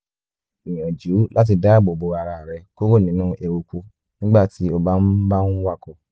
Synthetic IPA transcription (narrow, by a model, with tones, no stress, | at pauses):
i˨j̃ã˨d͡ʒu˨˦la˦t̬i˧da˦˨bo˨bo˧a˧ɾa˧˨ɾɛ˧˦ko˦ɾo˦˨nĩ˨˦nũ˦ʔe˧wo˧ku˧ | nĩ˦ɡ͡ba˦˨ti˨˦o˧ba˦n̩˦ba˦n̩˦wa˦˨ko˧˨